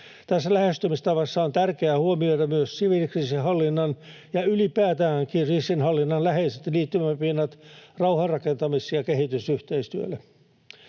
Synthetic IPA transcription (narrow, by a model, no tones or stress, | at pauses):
t̪æsːælæhest̪ymist̪ɑʋɑsːɑont̪ærkeæhuomioit̪ɑmyøssiʋilkriːsihɑlːinːɑn | jɑylipæːt̪æːŋkirisinhɑlːinːɑnlæheiset̪liːt̪ːymæpinːɑt̪rɑuhɑrrɑkent̪ɑmisjɑkeɦit̪ysyht̪eist̪yø̰lːe